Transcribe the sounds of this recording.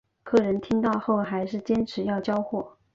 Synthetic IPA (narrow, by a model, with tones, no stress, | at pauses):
kʰɤ˥˩ɻə˧˥nt̪ʰi˥ŋt̪ɑ˥˧ʊxo˥˩ʊxa˧˥ɪʂɻ̩˥˩t͡ɕjɛ˥nʈ͡ʂʰɻ̩˧˥jɑ˥˩ʊt͡ɕjɑ˥ʊxwɔ˥˩